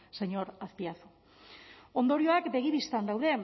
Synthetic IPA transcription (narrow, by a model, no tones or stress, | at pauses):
seɲo̞ɾaspiaθu̥ | o̞nd̪o̞ɾio̞akbe̞ɣ̞iβist̪and̪awðe̞